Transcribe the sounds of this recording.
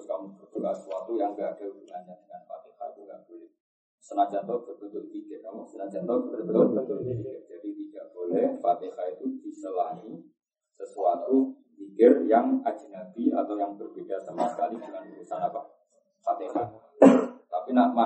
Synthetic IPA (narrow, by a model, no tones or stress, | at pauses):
skamubərt̪ukasəsuat̪ujaŋɡaad̥albəlaɲadəŋanfa̰t̪iha̰kuɡaʔbolɪh | sənad͡ʒant̪ɔb̪ərbənt̪ʊt̪̚kidɪʔkamusənad͡ʒant̪ɔdərbət̪ɔbənt̪ʊt̪̚ifikɪr̚d͡ʒ̥adit̪idaʔb̥olɛhfat̪ehait̪ud̥isəlahi | səsuat̪u | fikɪrjaŋḁd͡ʒ̥i̤nadia̰t̪awjaŋbərbedasamasə̥kalid͡ʒukanbəɾusanapah | fat̪eha | t̪apinama